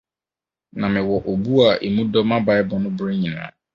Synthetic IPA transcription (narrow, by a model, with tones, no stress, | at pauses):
nã˨mɪ̃˨wɔ˨ʔo˨bu˦a˨ʔe˨mũ˦dɔ˦mã˦ba˨˦jbɔ˨nʊ̃˦bɾe˦ɲĩ˨nã̰ː˨˦